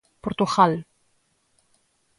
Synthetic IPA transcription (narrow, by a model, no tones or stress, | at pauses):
poɾt̪uɣal